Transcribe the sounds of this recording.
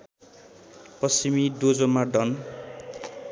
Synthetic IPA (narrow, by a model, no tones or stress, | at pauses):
pʌsimid̪od͡zomaɖʌn